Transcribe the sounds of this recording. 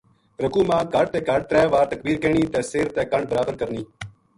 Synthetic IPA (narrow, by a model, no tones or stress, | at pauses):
ɾəkuːmãːkəɽt̪eːkəɖ̚t̪ɾɛːʋaːɾt̪ək̚biːɾkeːɳiːt̪ẽːseːɾt̪eːkəɳɖ̚bəɾaːbəɾkəɾniː